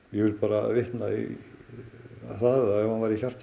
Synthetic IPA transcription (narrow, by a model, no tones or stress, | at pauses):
jɛɣvɪlpaːɾavɪht̪naḭ | θaðaɛvhanvajɾɪçar̥t̪